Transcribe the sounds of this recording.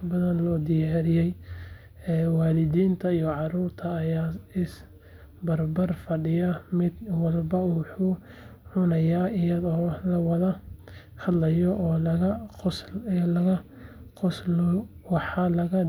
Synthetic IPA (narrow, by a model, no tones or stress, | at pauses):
bɐðɐnlɔːd̪ɪjaːɾɪjɛj | ɛːwɑːlɪdiːnt̪ʰɐijɔʕɑruːrt̪ʰɐːjaːɪs | bɐrbɐrfɐɖɪjɐmɪd̪wɐlbɐwħuː | ʕʊnɐjaːɪjɐðɔːlɐwɐðɐ | hɐd̪lɐjɔʔɔːlɐɣɐqʊslɐɣɐ | qʊslɔ | wɑħɑlɐɣɐ